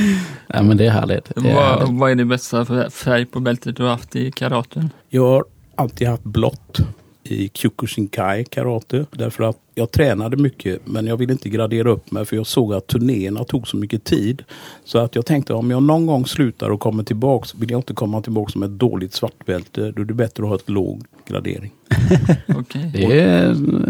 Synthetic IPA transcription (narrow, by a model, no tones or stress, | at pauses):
ʔa̰mɛnd̪ɛæɦæ̰ːɭɪ̰ɡt̪vɑæɖɛbɛst̪afæɾjpʰɔbɛlt̪ət̪̚d̪ɵhaɾhaft̪ɪkʰaɾɑːt̪ənjɑːɡhaɾ | alt̪ʰiːd̪haft̪blɔ̰t̪ː | ɪ̰kʰjʊkʊʂɪŋkʰajkʰa̰ɾɑːt̪əd̪æ̰ɾfœɾat̪jɑːɡ̚t̪ʰɾɛːnad̪əmʏkʰːəmɛnjɑɡvɪlːəɪnt̪əɡɾad̪eːɾaɵpːmɛjfœɾjɑːɡsoːɡat̪ʰːɵɳeːəɳat̪ʰuːɡsɔmʏkːət̪ʰiːd̪sɔat̪jɑːɡt̪ʰɛŋk̚t̪əɔmjɑːɡnɔnɡɔŋːslʉ̟ːt̪ʰa̰ɾɔkʰɔmːət̪ʰɪlbɑːksvɪlːjɡɪnt̪əkʰɔmːat̪ʰɪlbɑːksɔmɛt̪̚d̪o̰ːlɪt̪svaʈːbɛlt̪əd̪ɔɛɖɛbɛt̪ɾəɔhɑːɛt̪lo̰ːɡ | ɡɾa̰d̪ḛːɾɪŋ | ɔkʰɛjd̪ɛ